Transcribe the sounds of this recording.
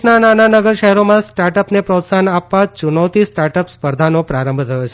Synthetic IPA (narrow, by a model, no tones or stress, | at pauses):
nanananəɡəɾʃəɦɛɾomãsʈaɾʈəpnepɾot̪sanapːat͡ʃunəwt̪ʰisʈaɾʈəpspəɾd̪ʱanopɾaɾə̃mbʱt̪ʰəjot͡ʃʰe